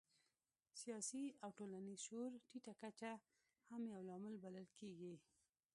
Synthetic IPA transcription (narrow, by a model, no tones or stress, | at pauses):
sijɑsiawʈolanizʃoɾʈiʈakat͡ʃa | hamjawlɑmɪlbaləlkeɡi